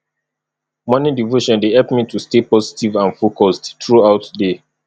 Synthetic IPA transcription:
mɔ̃nidivoʃɔ̃ndehɛlpmitʰustepɔzitivãnfokɔsttɹuaʊtde

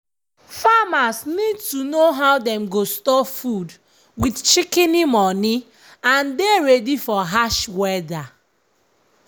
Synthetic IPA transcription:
famasnid̚tunoɦaʊdɛ̃mɡostɔfud | widt͡ʃikɛnimɔni | ãndeɹedifɔɦaʃwɛda

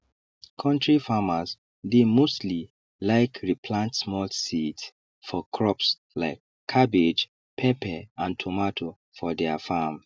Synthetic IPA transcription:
kʰɔ̃ntɹifamaz | demostli | laɪkɹipʰlãntsmɔlsids | fɔkʰɹɔps | laɪkʰːabed͡ʒ | pʰɛpʰɛãntʰomatʰo | fɔdɛafam

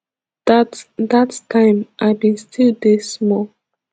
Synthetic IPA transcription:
dattʰãɪ̃mʔaɪbĩnstʰilˠdesmɔ

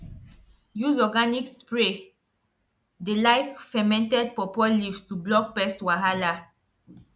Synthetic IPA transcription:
juzɔɡanikspɹe | delajkfɛmɛ̃ntɛd̚pɔpɔlivstublɔk̚pɛstwaɦala

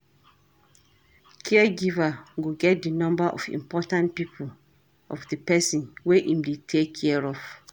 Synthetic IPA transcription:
kʰɛɛɡivaɡoɡɛt̚dinɔ̃mbaʔɔ̰fḭ̃mpɔtãntpipʰul | ɔfdipɛsĩnweʔĩmdetʰekʰːɛɹɔv

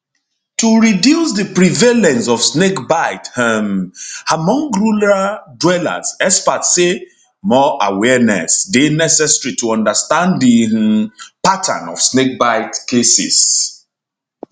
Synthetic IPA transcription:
tuɹidjusdəpɹivelɛ̃nsɔvsnekbaɪthɛmamɔ̃ŋɡɹuladwɛla̰zɛspatse | mɔʔawɛnɛ̰sdenɛsɛsɹituɔ̃ndəstãndi | patʰã̰nɔ̰v̥snek̚baɪtkesḭs

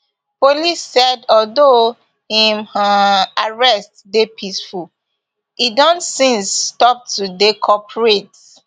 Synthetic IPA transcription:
polisːɛdɔldo | hĩmaaɹɛstdepʰisful | idɔ̃ntsĩnsːtɔp̚tudekʰɔpʰɹet

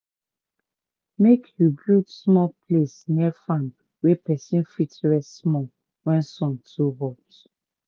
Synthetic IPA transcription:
mekhubɹutsmɔlplesniɛfãm | wɛpɛsĩnfitɹɛssmɔ | wɛ̃nsɔ̃ntʰuɦɔps

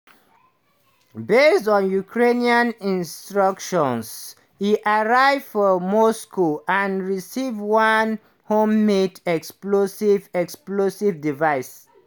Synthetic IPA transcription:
bestɔ̃njukʰɹeniãnĩnstɹʌkʃɔ̃ns | iʔaɹaɪfɔmɔskoãnɹisivwãn | hõmːedɛksplosivɛksplosivdivaɪs

